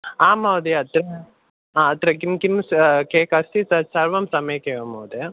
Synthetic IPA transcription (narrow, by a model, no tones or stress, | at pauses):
aːmɐwd̪eɐt̪ɾɐ | aɐt̪ɾɐkimkimskeːkɐst̪isɐsɐɾʋɐmsɐmejkeːʋɐmɐwd̪e